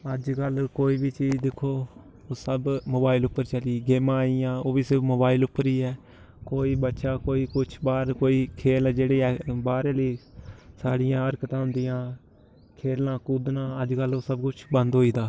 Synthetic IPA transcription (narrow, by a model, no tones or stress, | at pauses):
əd͡ʒkəlkoːiːbiːt͡ʃiːd͡ʒd̪ɪkʰːoː | oːsəbmoːbaːilʊpːəɾt͡ʃəliːɡeːmãːijãːoːbiːsɪɾfmoːbaːilʊpːəɾiːɛː | koːiːbətːʃaːkoːiːkʊt͡ʃʰbaːɾkoːiːkʰeːlːd͡ʒeːɽeːɛːbaːɾeːliːsaːɽɪjãːəɾkt̪ãːɦʊ̃nd̪ɪjãː | kʰeːlãːkuːd̪nãːəd͡ʒkəloːsəbkʊt͡ʃʰbə̃nd̪ɦoːiːd̪aː